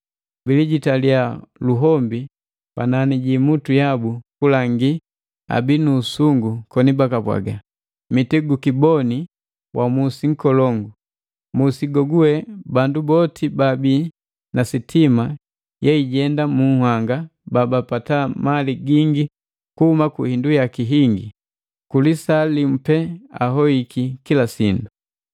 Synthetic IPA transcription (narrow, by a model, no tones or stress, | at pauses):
biliɟitalialuɦɔmbi | pa̰naniɟimutujabukulaŋɡi | a̰binuːsuŋɡukɔnibakapwa̰ɡa | mitɛɡukibɔni | wʔamusiŋ̩kɔlɔŋɡu | musiɡɔɡuɛbandubɔtʰibabi | nasitʰima | jɛiɟɛndamuŋhwaŋɡababapatamaliɡiŋɡi | kuhumakuhindujakiɦiŋɡi | kulisalim̩pɛa̰ɦɔikʰikilasindu